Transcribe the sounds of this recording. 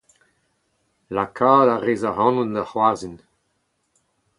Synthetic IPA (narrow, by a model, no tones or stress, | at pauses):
lakʰaːdaʁeːzaɦɑ̃nundahwazin